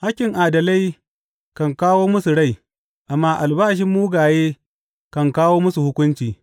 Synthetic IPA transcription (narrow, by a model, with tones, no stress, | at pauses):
ha˦kʲɪ˨ŋʔaː˨dɐ˨la˦j | kɐ˨ŋkaː˦woː˦mʊ˦su˨ɽa˦˨j | ʔa˨mːaː˦ʔa˨lbaː˦ʃ̬ɪ˦mːuː˦ɡaː˨jeː˦ | kɐ˨ŋkaː˦woː˦mʊ˦su˨hʊ˦kʷʊ˦nt͡ʃiː˨